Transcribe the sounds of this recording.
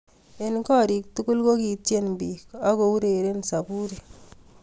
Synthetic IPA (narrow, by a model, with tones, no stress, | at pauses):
e˨nkɔ˦˨ɾi˨k̚tu˦ku˦lko˦ki˨te˦nbi˨ka˦ko˨u˦ɾe˨ɾe˦nsa˨bu˦ɾi˨